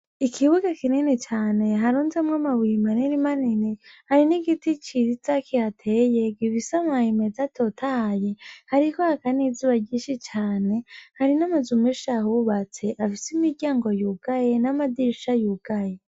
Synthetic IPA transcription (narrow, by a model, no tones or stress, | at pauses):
ikʰiβuɡakininit͡ʃaːne̞ɦaɾuːnzemŋamawimaniɾimaninihaɾiniɡitit͡ʃit͡sakihatʰeje̞ɡiβisamahime̞zatʰo̞tʰaje̞haɾikohakanizuβaɟiːʃit͡ʃaːne̞haɾinamazumeʃahuβat͡se̞ʔafisimiɾɟaːŋɡo̞juɡ̥aje̞namadiʃajuɡ̥aje